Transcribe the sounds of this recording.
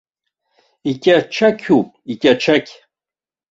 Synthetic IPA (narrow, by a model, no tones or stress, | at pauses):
ikʲʼaʈ͡ʂʰakʲʰupʼikʲʼaʈ͡ʂʰakʲʰʼ